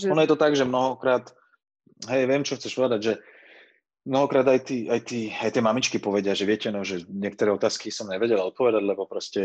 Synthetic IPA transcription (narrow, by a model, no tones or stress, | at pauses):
ɔnɔjɛt̪ɔt̪aɡʒɛmnɔɦɔkɾaːt̪ | ɦɛjʋɪɛmt͡ʃɔxtt͡sɛʃpɔʋɛd̪aɟʒɛ | mnɔɦɔkɾaːd̪ajt̪iːʔajt̪iːajt̪ɪɛmamit͡ʃkipɔʋɛɟɪaʒɛʋɪɛcɛnɔʒɛɲɪɛk̚t̪ɔɾɛːɔt̪aːskisɔmɲɛʋɛɟɛlaɔt̪̚pɔʋɛd̪aɟlɛbɔpɾɔscɛ